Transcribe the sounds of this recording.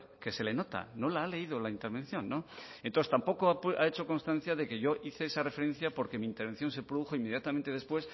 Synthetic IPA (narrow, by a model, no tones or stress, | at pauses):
ke̞se̞le̞no̞t̪a̰no̞laale̞ið̞olaint̪e̞ɾβe̞nθjõ̞nːo̞ẽnt̪oest̪ampo̞koapʔaet͡ʃo̞kõ̞nst̪ãn̟θjaðe̞keʝo̞ʔiθeesare̞fe̞ɾe̞n̟θjapo̞ɾke̞miːnt̪eɾβe̞nθjo̞ns̬e̞pɾoðuxo̞imːe̞ðjat̪ament̪eðe̞spwe̞s